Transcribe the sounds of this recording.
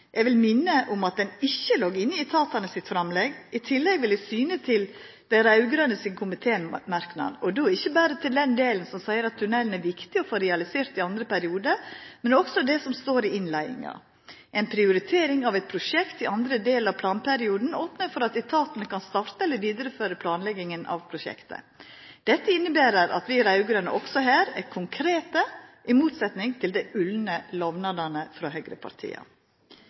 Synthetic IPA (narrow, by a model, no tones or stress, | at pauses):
ʔɛɡʋɪlmɪnːəʔʊmɑt̪̚d̪ɛnɪçːəloːɡɪnːəɪt̪ʰɑːt̪ɑnəsɪt̪fɾɑmlɛɡɪt̪ʰɪlːɛɡʋɪlɛsyːnət̪ʰɪl | d̪̥æɾɑʉɡɾənəsɪnkʰʊmɪt̪ʰeːmɑɾknɑ̰d̪ɔd̪oːɪçːəbæːɾət̪ʰɪld̪ɛnd̪eːlənsɔmsæɪəɾɑt̪ʰːʉnɛlən̩æɾʋɪkt̪ɪɔfoːɾɛɑlɪseːɾt̪ɪɑnd̪ɾəpʰæɾɪuːd̪əmɛnɔksɔd̪ɛsɔmst̪oːɾɪɪnlæɪɪ̰ŋɑ̰ | ʔɛɪnpʰɾɪʊɾɪt̪ʰeːɾɪŋɑʋɛɪt̪̚pʰɾʊʂɛkt̪ɪʔɑnd̪ɾəd̪eːlɑʋpʰlɑːnpʰæɾɪuːd̪n̩oːpnəɾfɔɾɑt̪ɪt̪ʰɑːt̪ənəkɑnst̪ɑɾt̪əɛlːəʋiːd̪əɾəføːɾəpʰlɑːnlɛɡɪŋənɑ̰ʋpʰɾʊʃɛ̰kt̪ə̰ | d̪̥ɛt̪ːəɪnːəbæːɾəɾɑ̰t̪ʋɪɾæʉɡʊɾənə̰ʔɔksɔɦæːɾɛ̰kʰʊŋkʰɾeːt̪əʔɪmuːt̪sɛt̪nɪŋt̪ʰɪld̪ɛʔʉlnəlɔʋnɑd̪ɑnəfɾɑːɦœːɡɾə̰pʰɑ̰ɾt̪ʰḭːɑ̰